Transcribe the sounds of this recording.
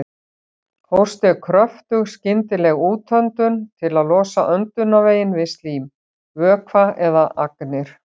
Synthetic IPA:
howst̪ɛɾkʰɾœft̪ʏɣscɪnt̪ɪlɛɣuːt̪ʰœnt̪ʏnt̪ʰɪlaðlɔːsa̰ʔœnt̪ʏnaveːjɪnvɪst̪liːm | vœːkʰvaɛðaʔaknɪɾ̥

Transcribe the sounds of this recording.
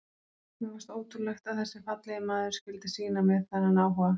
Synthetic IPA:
mɛɣvast̪oːwt̪ulɛxt̪aðθɛsːɪfat̪lɛðɪmaːðʏɾ̥scɪlt̪ɪsiːnamɛðθananaːwɦɔɣa

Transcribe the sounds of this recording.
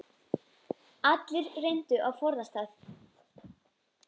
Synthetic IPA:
at̪lɪɾrejn̥t̪ʏʔawfɔɾðast̪aːθ

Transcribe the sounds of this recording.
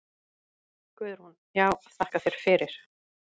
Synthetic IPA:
kvʏːðʏɾ̥hun | jaːwaðθahkaθjɛɾ̥fɪɾɪɾ̥

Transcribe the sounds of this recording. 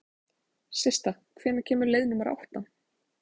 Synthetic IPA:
sɪst̪a | kʰvɛːnacʰɛːmʏɾlejðnʏmaɾa̰wht̪na

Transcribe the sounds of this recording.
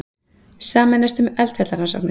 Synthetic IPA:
saːmɛnːɛst̪ʏmɛlt̪hɛt̪laɾhansa̰pnɪ

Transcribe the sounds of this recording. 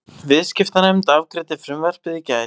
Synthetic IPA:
vɪðscɪft̪anɛmt̪avkɾɛːt̪ɪfɾʏmvɛr̥pɪðicaːj

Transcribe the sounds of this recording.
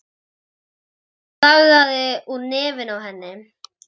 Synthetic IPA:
θaɣðaðɪuneːvɪnawɦɛnːɪ

